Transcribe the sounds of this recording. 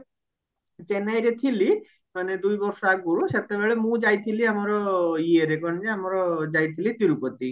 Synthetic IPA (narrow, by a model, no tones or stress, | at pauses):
t͡ʃenajɾet̪ʰili | maned̪ujbɔɾsɔaɡoɽuʃet̪eβeɭemũd͡ʒajt̪ʰiliamɔɾɔieɾekɔnd͡ʒeamɔɾɔd͡ʒajt̪ʰilit̪iɾukot̪i